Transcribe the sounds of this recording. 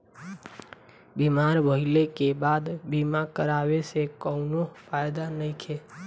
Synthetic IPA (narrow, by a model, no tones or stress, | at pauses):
bimaɾbʱəɪlekebad̪bimakəɾaʋesekəʊnopajd̪anəĩkʰe